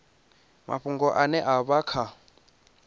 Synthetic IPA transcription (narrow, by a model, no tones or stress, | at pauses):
mʔa̰ɸuŋɡɔʔanɛʔaβakʰa